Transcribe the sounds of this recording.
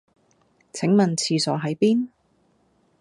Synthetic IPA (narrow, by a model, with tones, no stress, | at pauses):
t͡sʰɪ˨˥ŋmɐ˨˩nt͡sʰiː˧sɔː˨˥ɦɐ˨˥jpiː˥n